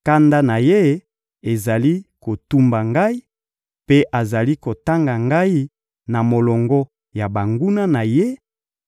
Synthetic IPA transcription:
ka˦nda˦na˨je˦ | e˨za˨li˦ko˨tu˦mba˨ŋɡa˦i˦ | pe˦ʔa˨za˨li˦ko˨ta˦ŋɡa˨ŋɡa˦i˦ | na˨mo˨lɔ˨ŋɡɔ˦ | ja˨ba˨ŋɡu˦na˦na˨je˦

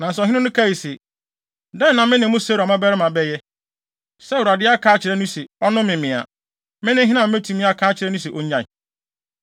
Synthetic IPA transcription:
nã˨sɦɪ̃˦ʊ̃˦nʊ̃˦kʰa˦˨i˨sɛ˨ | dɛ̃˦˨nã˨mɪ̃˦nɪ̃˨m˦ʊ̃˦se˦ɾa˨mã˦bɛ˦ɾɪ˦mã˨bɛ˦jɛ˦ | sɛ˦wɾa˨dɪ˦a˦kʰaː˦t͡ɕʰɪ˨ɾɛ˦nʊ̃˦sɛ˨ɔ˦nʊ̃˦mɪ̃˨mɪ̃˨a̰˨ | mɪ̃˦nɪ̃˦ɦɪ˦nã˨˦e˦tʰĩ˨mɪ̃˦a˨kʰaː˦t͡ɕʰɪ˨ɾɛ˦nʊ̃˦si˨ʔo˦ɲã˨ɪ˨

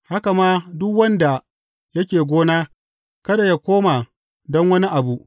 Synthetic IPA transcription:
ha˦ka˨maː˦dʊ˦kwɐ˦nda˨ | jɐ˦kʲeː˨ɡʷoː˦naː˦ | kɐ˦da˨ja˦kʷoː˦ma˨ | dɔ˦ŋwɐ˦ni˦ʔa˨bu˦ʔ

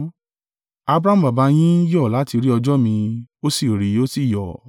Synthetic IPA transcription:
a˧bɾa˧˦m̩̃˨ba˨ba˧j̃ĩ˦jɔ˦˨la˨˦ti˧ɾi˦ɔ˧d͡ʒɔ˦mĩ˧o˦si˦˨ɾi˨˦o˦si˦˨jɔ˨

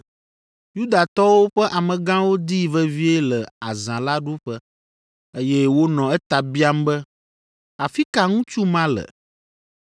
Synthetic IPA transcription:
ju˦d̪a˨t̪ɔ˦wo˦ɸɛ˦ʔa˨mə̃˨ɡã˦wo˦d̪i˦və˦vi˦e˦lɛ˨a˨zã˨la˦ɖu˦ɸə˦ | e˦jɛ˦wo˦nɔ̃˨ɛ˦t̪a˨bi˦a˦m˦bə˦ | a˨fi˦ka˨ŋũ˦t͡ʃu˦mã˦lə̰˨

